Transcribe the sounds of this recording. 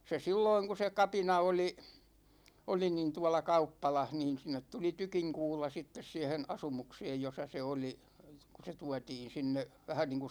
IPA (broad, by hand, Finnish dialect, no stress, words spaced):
se silːoiŋ ku se kɑpinɑ oli oli nin tuɒlɑ kɑupːɑlɑh niːn̞ sinˑet tuli tykiŋkuːlɑ sitːes siɛhen ɑsumukseːj josɑ se oli ku se tuɑtiːn̞ sinːe ʋæhæn niːŋku